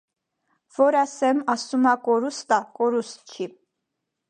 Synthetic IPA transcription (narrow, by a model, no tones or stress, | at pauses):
v̥ɔɾɑsɛmɑsumɑkɔɾust̪ɑkɔɾust̪̚t͡ʃʰi